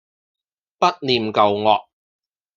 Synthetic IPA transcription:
pɐ˥t̚niː˨mkɐ˨wŋɔː˨k̚

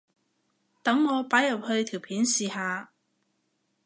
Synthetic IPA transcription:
t̪ɐ˨˥ŋːɔː˨˧paː˨˥jɐ˨p̚hɵ˧ɥt̪ʰiː˨˩wpʰiː˨˥nsiː˨haː˧

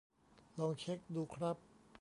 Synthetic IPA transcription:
lɔ˧ŋt͡ɕʰe˥k̚duː˧kʰɾa˦˥pː

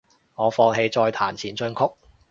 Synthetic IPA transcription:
ŋɔː˨˧fɔː˧ŋɦe˧jt͡sɔː˧jt̪ʰaː˨˩nt͡sʰiː˨˩nt͡ʃɵ˧nkʰʊ˥k̚

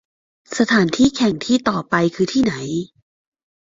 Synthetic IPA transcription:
sa˧t̪ʰaː˩˦nt̪ʰiː˥˩kʰɛ˨˩ŋt̪ʰiː˥˩t̪ɔː˨˩pa˧jkʰɯː˧t̪ʰiː˥˩na˩˦j

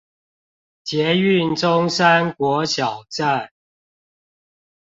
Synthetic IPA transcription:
t͡ɕjɛ˨˦y˥˨nʈ͡ʂʊ˦˥ŋsa˦nkwɔ˨˥ɕjɑ˨˩ʊʈ͡ʂa˥˨n

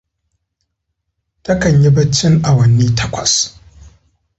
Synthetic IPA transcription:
tɐ˦kɐ˨ɲji˦bɐ˦t͡ʃːɪ˦ŋʔa˨wɐ˨nːiː˦tʰɐ˦kʷɐ̰˨s

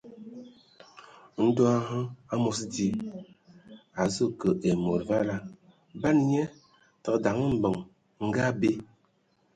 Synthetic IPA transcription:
n̩˦dɔ˦a˦ɦə˦a˦mo˨s̬di˦ | a˨zə˦kə˨ʔe˨mo˨ɾva˦la˦ | ba˦nɲɛ˦ | tə˨kda˨ŋə˦m̩˦˨bə˨ŋ | ŋ̩˦ɡa˦be˦

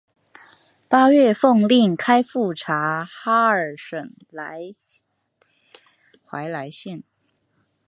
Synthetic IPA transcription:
pa˥ɥɛ˥˧fɤ˥˧ŋli˥˩ŋkʰa˥ɪfu˥˩ʈ͡ʂʰa˧˥xa˥ə˞˨˩ʂə˨˩ŋ | la˧˥ɪ | xwa˧˥ɪla˧˥ɪɕɛ˥˩n

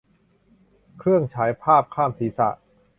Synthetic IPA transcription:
kʰɾɯ˥˩əŋt͡ɕʰaː˩˦jpʰaː˥˩p̚kʰaː˥˩msiː˩˦sa̰˨˩ʔ

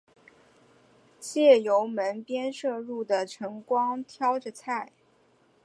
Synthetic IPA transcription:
t͡ɕjɛ˥˩jo˧˥ʊmə˧˥npjɛ˥nʂɤ˥˧ɻu˥˩d̪ə˩ʈ͡ʂʰɤ˧˥ŋkwɑ˥ŋt̪ʰjɑ˥ʊʈ͡ʂə˧t͡sʰa˥˩ɪ

